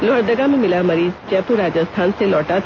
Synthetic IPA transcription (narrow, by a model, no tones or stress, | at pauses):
lɔːɽd̪əɡamẽmɪlamɐɾiːzt͡ʃɛːpuɾaːd͡ʒəst̪ʰaːnselɔːʈat̪ʰ